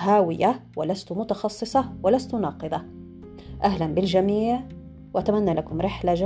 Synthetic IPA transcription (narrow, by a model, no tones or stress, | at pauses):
ɦaːwɪjawɪlast̪mʊt̪ɑxɑsˤːɨsˤɑwɪlast̪ʊnɑːqɨd̪ˤɑ | ʔaɦlanbɪld͡ʒamiːʕ | wɪʔat̪amanːalʔakʊmɾɪħlaʒ